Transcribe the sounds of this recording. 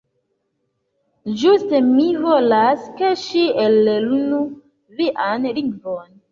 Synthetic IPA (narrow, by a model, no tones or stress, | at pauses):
d͡ʒustemivolaskeʃielːelunu | viʔanliŋvon